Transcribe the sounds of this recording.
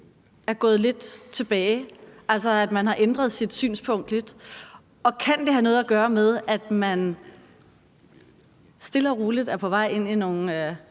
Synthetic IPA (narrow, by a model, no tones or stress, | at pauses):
æɐɡ̥ɔ̽ːð̩ˠle̝d̥t͡sʰe̝b̥ɛːɪʔæl̰s̬ɐæd̥mænɦɑ̈ʔend̥ʁɐðˠsid̥sy̰ːnspʰɔ̽ŋ̰d̥le̝d̥ | ɒ̽kʰænd̥e̝ɦænɔ̽ːð̩ˠæɡ̥ɶːɐmeð̞ˠæd̥mæn | sd̥e̝lɐʁuːlid̥æpʰɒ̽ʋɑ̈ɪ̰e̝n̰ino̝ːn̩ø